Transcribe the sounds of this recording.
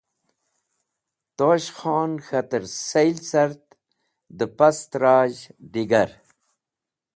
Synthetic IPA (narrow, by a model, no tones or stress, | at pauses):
t̪oːɕxɑːnxɐt̪əɾsejlsaɾt̪ | d̪əpɐst̪ɾɑːʑɖiɡaɾ